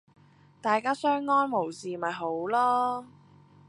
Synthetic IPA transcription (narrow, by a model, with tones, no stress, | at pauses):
t̪aː˨jkaː˥sœː˥ŋːɔː˥nmo˨˩wsiː˨mɐ˨jɦo˨˥wlɔː˥